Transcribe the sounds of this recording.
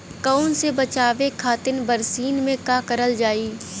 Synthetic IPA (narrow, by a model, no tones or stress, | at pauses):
kaʊnsebət͡ʃaːʋekʰaːt̪ɪnbəɾsiːnmẽkaːkəɾəld͡ʒaːiː